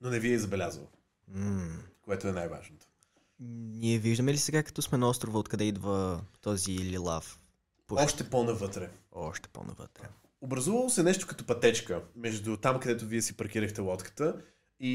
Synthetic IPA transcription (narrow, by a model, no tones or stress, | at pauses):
nonɛviɛzɐbɛlʲazvə̰ | koɛt̪ʊɛnajva̰ʒnot̪o̥ | nʲiɛviʒd̪əmɛlisɛɡakɐ̥t̪ɔsmɛnɐɔst̪ɾʊvəot̪kɐd̪ɛid̪vət̪ɔziːlilˠa̰f | poɔʃt̪ɛpɔnɐvɤt̪ɾɛɔʃt̪ɛ̥pɔ̰nɐ̰və̰t̪ɾɛ | obɾɐzuvəlˠosɛnɛʃt̪ʊ̥kət̪ɔpɐt̪ɛt͡ʃkəmɛʒd̪ʊt̪amkɐd̪ɛt̪ʊviɛsipɐɾk̟iɾəxt̪ɛlˠɔt̪kə̥t̪ə | i